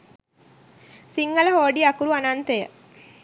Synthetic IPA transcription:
siŋɡələɦoːɖiɐkuɾuanant̪ejə

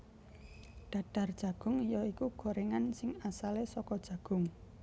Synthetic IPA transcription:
ɖ̥ä̤ɖ̥a̤rd̥ʒ̥ä̤ɡ̥ʊ̤ŋjɔikuɡ̥o̤ɾeŋansɪŋasalesɔkɔd̥ʒ̥ä̤ɡ̥ʊ̤ŋ

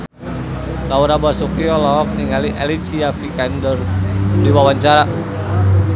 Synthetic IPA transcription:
lauɾabasɔkiɔlɔk̚siŋaliʔɛlisiafikandərdiwawaɲt͡ʃaɾa

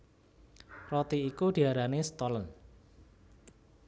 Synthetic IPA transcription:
rɔt̪iːkud̪̥i̤aɾanest̪ɔlən

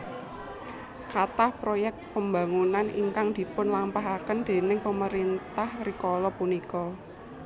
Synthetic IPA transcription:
kat̪ahpɾojɛk̚t̪̚pəmba̤ŋunanḭŋkaŋd̪̥i̤pʊnlampaɦakənd̪̥e̤nɪŋpəməɾint̪ahrikɔlɔpunikɔ

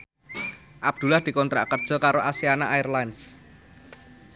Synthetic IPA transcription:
ʔab̚d̪̥ṳlahd̪̥i̤kɔnt̪ɾa̰ʔkərd̥ʒ̥ɔ̤kaɾoʔasianaʔajɛrlajns

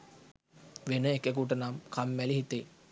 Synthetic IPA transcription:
ʋenəekekuʈ̬ənamkʰamːæliɦit̪e

